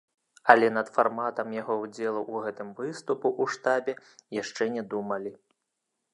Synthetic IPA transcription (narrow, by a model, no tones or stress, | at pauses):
ɐlʲɛnɐt̪farmat̪ɐmjaɣɔwd͡zʲɛlˠuʔuɣɛt̪ɨmvɨst̪upuʔuʂt̪abʲɛ | jaʂt͡ʂɛnʲɛd̪umɐlʲi